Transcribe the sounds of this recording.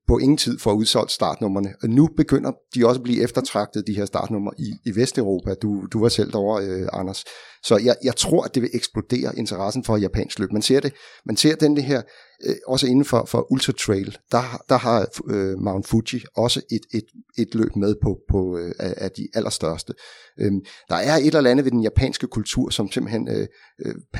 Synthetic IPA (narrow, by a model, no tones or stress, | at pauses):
pʰɒ̽ʔe̝ŋn̩t͡sʰið̰ˠfɒ̽æuð̞ˠsɒ̽l̰d̥əsd̥ɑ̰̈ːd̥nɔ̽m̰ɐnənub̥e̝ɡ̥øn̰ɐd̥iɒ̽səb̥lḭːʔefd̥ɐt͡sʰʁɑ̈ɡ̥̚d̥ð̩ˠd̥iɦe̝ɐ̰sd̥ɑ̰̈ːd̥nɔ̽m̰ɐʔiːʋesd̥øʊʁo̝ːpʰæd̥ud̥uʋɑ̈sel̰d̥ɒʊ̰ɐøɑ̈nɐsːɒ̽jɑ̈ɪjɑ̈ɪt͡sʰʁo̝ɐ̰æd̥e̝ʋe̝ʔeɡ̥sb̥lo̝d̥e̝̰ːɐʔe̝nt͡sʰɐʁɑ̈sn̩fɒ̥̽jæpʰɛ̰ːnsɡ̥lø̰ːb̥mænse̝ɐ̰d̥e̝mænse̝ɐ̰d̥end̥əɦe̝ɐ̰ | ɒ̽səe̝nn̩fɒ̽fɒ̽ʔult͡sʰʁɑ̈t͡sʰʁɛɪld̥ɑ̈d̥ɑ̈ɦɑ̈ømɑ̈ʊnfuɕiɒ̽səʔe̝d̥e̝d̥e̝d̥lø̰ːb̥með̞ˠpʰɒ̽pʰɒ̽ææd̥iʔælʔɐsd̥ɶɐsd̥ə | ʔød̥ɑ̈æɐe̝ɾ̥elælænðəʋe̝d̥enjæpʰɛ̰ːnsɡ̥əkʰult͡sʰṵɐ̰sɒ̽mse̝mb̥l̩hen̰ø̰